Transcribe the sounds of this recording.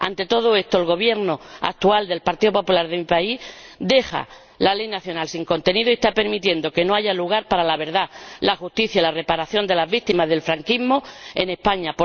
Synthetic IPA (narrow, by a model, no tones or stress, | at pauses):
a̰nt̪e̞t̪o̞ð̞oe̞st̪o̞elɣo̞βje̞ɾno̞a̰k̚t̪uald̪e̞lpaɾt̪iðopo̞pulaɾðe̞mipaid̪e̞xa̰ | lale̞jnaθjo̞nalsiŋko̞nt̪e̞niðoiest̪ape̞ɾmit̪je̞nd̪o̞ke̞no̞aʝaluɣ̞aɾpaɾalaβ̞e̞ɾðalaxust̪iθjailare̞paɾaθjo̞nd̪e̞lazβik̚t̪imazðe̞lfɾaŋkiɦmo̞e̞ne̞spaɲapo